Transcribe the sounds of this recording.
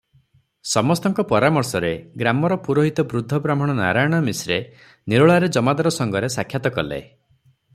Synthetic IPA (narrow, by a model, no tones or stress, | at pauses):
sɔmɔst̪ɔŋkɔpɔɾamɔɾsɔɾeɡɾamɔɾɔpuɾoɦit̪ɔbɾud̪ʱːɔbɾam̤ɔɽ̃ɔna̰ɾajɔɽ̃ɔmisɾe | niɾɔɭaɾed͡ʒɔmad̪ɔɾɔsɔŋɡɔɾesakʰjat̪ɔkɔlḛ